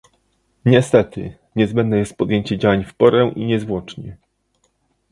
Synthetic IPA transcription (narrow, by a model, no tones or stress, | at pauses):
ɲɛst̪ɛt̪ɘ̰ | ɲɛzbɛnd̪njɛst̪̚pɔd̪jeɲt͡ɕɛd͡ʑawaɲfpɔɾɛ̃ʔiɲɛzvwɔt͡ʂɲɛ